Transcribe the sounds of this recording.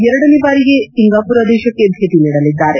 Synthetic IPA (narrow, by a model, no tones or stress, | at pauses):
jɛɾɽɐnibaːɾiɡesiŋɡaːpuɾɐd̪eːʃɐkːeb̪ʱet̪iniɽɐlid̪ːaːɾe